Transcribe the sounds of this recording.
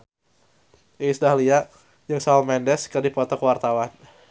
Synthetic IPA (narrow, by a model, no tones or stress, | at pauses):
ʔisdahlia | jəŋsamɛndɛskərdipɔt̪ɔkəwart̪awan